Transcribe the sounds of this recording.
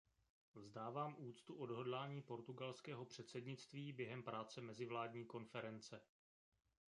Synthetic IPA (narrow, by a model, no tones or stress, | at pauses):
vzdaːvaːmʔuːt͡st̪uʔo̞dɦo̞dlaːɲiːpo̞ɾt̪uɡalskɛːɦo̞pr̥ɛt̪sɛdɲɪt͡st̪viːbjɛɦɛmpɾaːt͡sɛmɛzɪvlaːdɲiːko̞nfɛɾɛnt͡sɛ